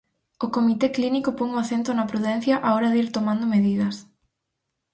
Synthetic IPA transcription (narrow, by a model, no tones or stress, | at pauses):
okomit̪eklinikʊpoŋoaθent̪ʊnɐpɾuðɛn̟θjɐʔaɔɾɐðiɾt̪omãnd̪ʊmeðið̞ɐs